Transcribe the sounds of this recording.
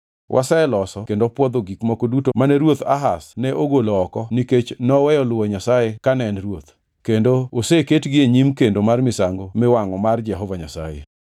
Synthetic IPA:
wʔa̰sɛelɔsɔkendopwɔd̪oɡikmɔkodutomanɛɾwot̪a̰ɦasnɛʔoɡoloɔkɔniket͡ʃnɔwɛjɔlʊoɲasajekanɛnrwot̪ | kendooseketɡɪeɲimkendomarmɪsaŋɡomɪwaŋɔmard͡ʒɛɦɔvaɲasa̰jḛ

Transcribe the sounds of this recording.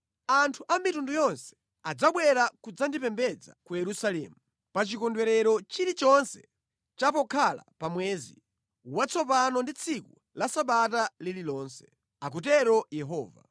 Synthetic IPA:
antʰuʔamitundujɔnsɛ̥ | ad͡zaɓwɛɾakud͡zandipɛmbɛd͡za̰kujɛɾusalɛ̰ːmu | pat͡ʃikɔndwɛɾɛɾɔt͡ʃiɾit͡ʃɔnsɛ | t͡ʃapɔkʰala̰pamwɛːzḭ | wat͡sʰɔpanɔndit͡sʰiku | lasaɓatalililɔːnsɛ̥ | ak̬ut̬ɛɾɔjɛɦɔːva̰

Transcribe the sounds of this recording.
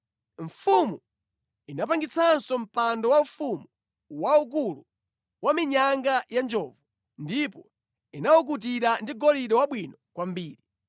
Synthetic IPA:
ɱfumu | inap̬aŋɡit͡sʰansɔm̩pandɔwamfumu | wauk̬ulu | wamiɲaŋɡajand͡ʒɔːvu | ndipɔ | inawuk̬ut̬iɾandiɡɔliɗɔwaɓwinɔkwambiːɾi

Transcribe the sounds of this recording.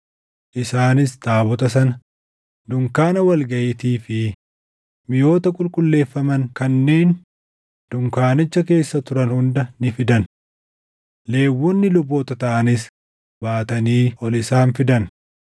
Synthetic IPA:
ʔɪsaːnɪst̪aːbɔt̪ɐsɐnɐ | d̪ʊŋkaːnɐwɐlɡɐʔɪt̪iːfɪ | mɪjo̞ːt̪ɐkʼʊlkʼʊlːe̞ːfːɐmɐŋkɐnːeːn | d̪̥ʊŋkaːnɪt͡ʃːɐke̞ːsːɐt̪ʊɾɐnhʊnd̪ɐnɪfɪd̪ɐn | le̞ːwːɔnːɪlʊboːt̪ɐt̪ɐʔɐnɪs | baːt̪ɐniːʔɔlɪsaːnfɪd̪ɐn

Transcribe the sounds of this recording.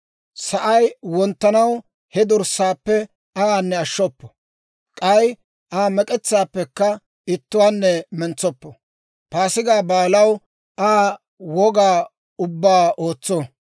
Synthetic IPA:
sɐʔɐjwɔnt̪ːɐnɐw | hɛd̪ʊɾsaːpːɛ | aaːnːɛɐʃːɔpːɔ̥ | kʼɐj | ʔaːmɛkʼɛt͡sːaːpːɛkːɐ | ɪt̪ːʊwaːnːɛmɛnt͡sːɔpːɔ | paːsɪɡaːbaːlɐw | ʔaː | wɔɡaː | ʊbːaːoːt͡sːɔ

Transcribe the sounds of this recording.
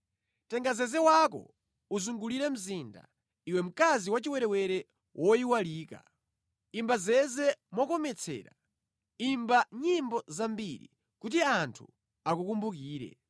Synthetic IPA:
tɛŋɡazɛzɛwakɔ̰ | uzuŋɡuliɾɛm̩zinda̰ | iwɛm̩kaziwat͡ʃiwɛɾɛwɛɾɛ | wʔɔiwaliːka̰ | imbazɛzɛmɔkɔmɛt͡sʰɛ̰ːɾa | imbaɲimbɔzambiɾḭ | kut̬iantʰu | akukumbukiːɾɛ̰

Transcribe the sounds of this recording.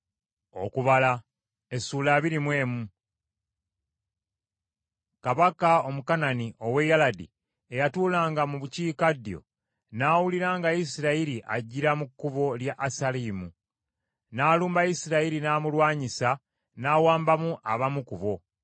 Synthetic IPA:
o̞̰kuβala | esuːlaːβiɾimwe̞ːmu | kaβakao̞mukananiʔo̞we̞jaladḭ | e̞jatuːlaːŋɡamuβuciːkadjo̞̰ | naːwuliɾaːŋɡaisiɾaiɾiʔa̰ɟːiɾamukːuβo̞ljaʔːsaliːmu | naːluːmbajisiɾaiɾinaːmulwaːɲisa | naːwaːmbamuʔaβamukuβo̞

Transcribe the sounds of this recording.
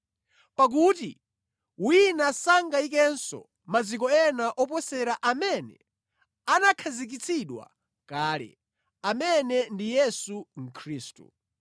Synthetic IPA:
pak̬uti | winasaŋɡaik̬ɛnsɔ̰ | mad͡zik̬ɔɛnaʔɔp̬ɔsɛɾaʔamɛnɛ̰ | anakʰazik̬it͡sʰiɗwa̰ | kaːlɛ̰ | amɛnɛndijɛsuŋ̩kʰɾiːstṵ

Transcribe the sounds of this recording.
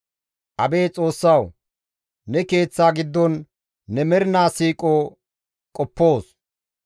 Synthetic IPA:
ʔɐbe̞ːt͡sʼo̞ːsːɐw | nɛke̞ːt͡sːaːɡɪd̪ːɔnː | ɛmɛɾɪnaːsiːkʼoː | kʼɔpːo̞ːs

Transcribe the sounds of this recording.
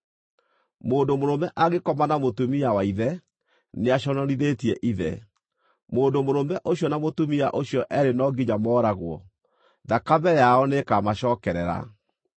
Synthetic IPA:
moːndomoɾomɛʔaɣekɔmanamotumiawaiðɛ | neaɕɔnɔɾiðetiɛʔiðɛ̰ | moːndomoɾomɛʔoɕjɔnamotumiaʔoɕjɔʔɛɾenɔɡiɲamɔːɾaɣwɔ̰ | ðakaβɛjaɔnekamaɕɔːkɛɾɛɾa̰

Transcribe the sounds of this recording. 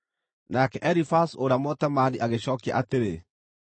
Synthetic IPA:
nakɛʔɛɾifasoɾamɔtɛmaniʔaɣeɕɔːkia̰ʔateɾe

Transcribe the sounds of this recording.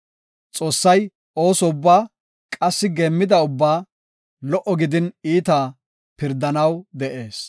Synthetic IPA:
t͡sʼo̞ːsːɐj | ʔo̞ːsɔʊbːaː | kʼɐsːɪɡeːmːɪd̪ɐʊbːaː | lɔʔɔɡɪd̪ɪniːt̪a | pɪɾd̪ɐnɐwd̪ɛʔe̞ːs

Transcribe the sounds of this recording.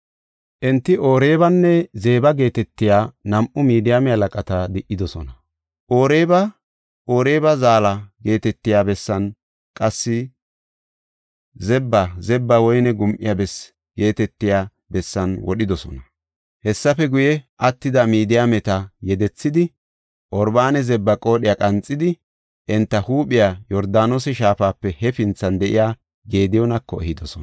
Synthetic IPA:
ʔɛnt̪ːɪo̞ːɾe̞ːbɐnːɛze̞ːbɐɡe̞ːt̪ɛt̪ːɪjaːnɐmʔʊmiːd̪ɪjamɛhɐlɐkʼɐt̪ɐd̪ɪʔɪd̪ɔsɔ̰nɐ | ʔo̞ːɾeːbɐ | o̞ːɾe̞ːbɐzaːlɐɡe̞ːt̪ɛt̪ːɪjaːbɛsːɐn | kʼɐsːɪ | zɛbːɐzɛbːɐwɔjnɛɡʊmʔɪ̰jabɛs | ɡe̞ːt̪ɛt̪ːɪjaː | bɛsːɐnwɔɗɪd̪ɔsɔ̰nɐ | hɛsːɐfɛɡʊjɛʔɐt̪ːɪd̪ɐmiːd̪ɪjamɛt̪ɐjɛd̪ɛt͡sːɪd̪ɪ | ʔɔɾbaːnɛzɛbːɐkʼo̞ːɗɪjakʼɐnt͡sʼːɪd̪ɪ | ʔɛnt̪ːɐhuːɓɪjajɔɾd̪aːnosɛʃaːfaːpːɛhɛfɪnt͡sːɐnd̪ɛʔɪ̰jaː | ɡe̞ːd̪ɪjɔnɐkːɔ̰ɛhɪd̪ɔsɔn

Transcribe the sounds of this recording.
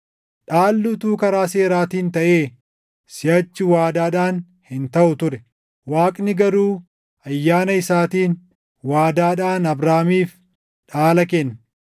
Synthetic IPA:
ᶑaːlːʊt̪uːkɐɾaːse̞ːɾaːt̪iːnt̪ɐʔeː | sɪjɐt͡ʃːʊwaːd̪aːᶑaːn | hɪnt̪ɐʔʊt̪ʊɾɛ | waːkʼnɪɡɐɾuː | ɐjːaːnɐɪsaːt̪iːn | waːd̪aːᶑaːnɐbɾaːmiːf | ᶑaːlɐkɛnː

